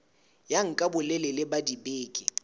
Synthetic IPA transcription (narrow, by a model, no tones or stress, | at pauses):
jaŋ̩kʼabʊlɛlɛlɛbadibeːkʼḭ